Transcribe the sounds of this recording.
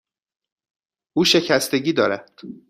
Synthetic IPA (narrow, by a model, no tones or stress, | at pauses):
ʔuːʃe̞cʰæst̪e̞ɟiːd̪ɒːɾæd̪̥